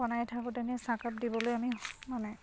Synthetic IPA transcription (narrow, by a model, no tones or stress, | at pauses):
ɔnajtʰakɔteniɛsakap̚dibɔlojamimanɛ